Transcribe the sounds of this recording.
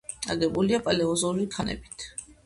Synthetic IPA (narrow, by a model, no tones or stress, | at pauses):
a̰ɡɛbuliapʼalɛɔzulik̪ʰanɛ̰bi̥t̪ʰ